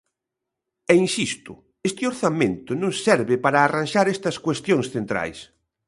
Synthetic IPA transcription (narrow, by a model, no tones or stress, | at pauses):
ɛinsist̪ʊ | est̪ɪoɾθamẽnt̪ʊnõŋsɛɾβɪpaɾaːranʃaɾest̪ɐskwest̪jõŋsθent̪ɾa̰js